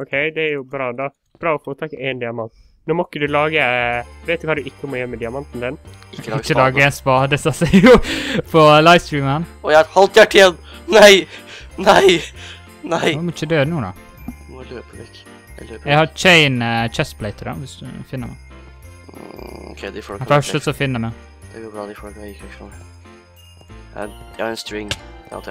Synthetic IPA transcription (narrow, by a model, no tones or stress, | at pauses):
ɔkʰeɪd̪ɛæɾjʊbɾɑːd̪ɑ | b̥ɾɑːɔfoːt̪ʰɑkːeːnd̪ɪɑmɑnt̪ | noːmɔkːəd̪ʉlɑːɡəæʋeɪt̪ɪkhɑd̪ʉɪkːəmɔjɛmːəd̪ɪɑmɑnt̪n̩d̪ɛn | t͡ʃːəlɑːɡəɛnspɑd̪ɛsɑsɛʊpʰɔlaɪst̪ɾɹiːmənɔjæhɔlt̪jæʈːəjɛnːnæɪnæɪ | næɪmɔt͡ʃːəd̪øːnuːd̪ɑ̰ | ɛɪhɑɾt͡ʃʰeɪnət͡ʃɛspʰlɛɪt̪əɾɑ̰ʋɪsd̪ʉ̰fɪnːəmɛ̰ɪ | kʰɛd̪fœʂət̪sɔfɪnːəmɛ | d̪̥ɡobɑd̪ɪfokɪkɛkɔ | ɛnst̪ɾɪŋa̰